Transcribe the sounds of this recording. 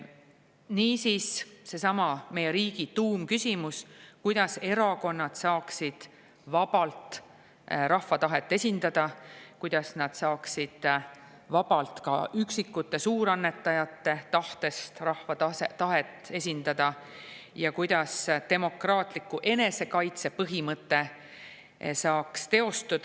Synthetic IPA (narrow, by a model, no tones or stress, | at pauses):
niːsiːsse̞sɑmɑme̞jeɾiːɡ̥it̪uːmkysʲimuskujd̪̥ɑse̞ɾɑko̞nːɑd̪̥sɑːksid̪̥ | vɑb̥ɑlt̪ | rɑhvɑt̪ɑɦe̞t̪ːˑe̞sʲind̪̥ɑd̪̥ɑkujd̪̥ɑsnɑd̪̥sɑːksid̪̥ | vɑb̥ɑlt̪kɑ̰yksikːut̪ːe̞suːɾɑnːe̞t̪ːˑɑjɑt̪ːe̞t̪ɑht̪e̞st̪rɑhvɑɑset̪ɑɦe̞t̪ːˑe̞sʲind̪̥ɑd̪̥ɑ | jɑkujd̪̥ɑst̪e̞mo̞krɑːt̪ˑlikːˑuʔe̞ne̞se̞kɑjt̪se̞pɤɦimɤt̪ːe̞ | sɑːkst̪e̞o̞st̪ud̪̥